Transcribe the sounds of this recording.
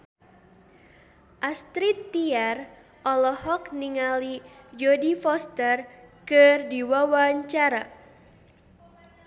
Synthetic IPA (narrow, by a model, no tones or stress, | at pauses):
ʔast̪ɾit̪ːiar | ʔɔlɔhɔkniŋalid͡ʒɔdifɔst̪ərkɨrdiwawaɲt͡ʃaɾa